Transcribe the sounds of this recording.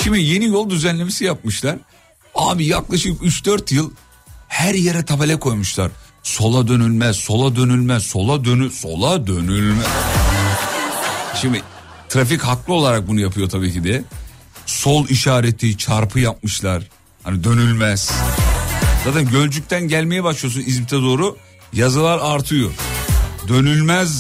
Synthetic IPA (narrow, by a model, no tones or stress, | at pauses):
ʃimd̪ije̞nijo̞lˠd̪yzænlʲe̞misijap̚mɯʃlˠaɾ̥ | aːbijaklˠaʃɯkyt͡ʃd̪øɾt̪jɯlˠ | hæɾjeɾɛt̪ʰabelʲɛkʰo̞jmuʃlˠaɾ | so̞lˠad̪ø̞nylʲmæz̥so̞lˠad̪ø̞nylʲmæz̥so̞lˠad̪ønyso̞̰lˠad̪ø̞nylʲmɛz | ʃimɪ | t̪ʰɾafichaklˠɯo̞lˠaɾak̚bunujapʰɯjo̞t̪ʰabiːcid̪ɛ | so̞lˠiʃaːɾet̪ʰːit͡ʃʰaɾpʰɯjap̚mɯʃlˠaɾ̥ | hanid̪ø̞nylʲmæz̥ | zaːt̪ænɟø̞lʲd͡ʒyc̚t̪ʰænɟælʲme̞jɛbaʃlˠɯjo̞s̬unizit̪ʰɛd̪o̞ːɾu | jazɯlˠaɾaɾt̪ʰɯjo | d̪ø̞nylʲmæz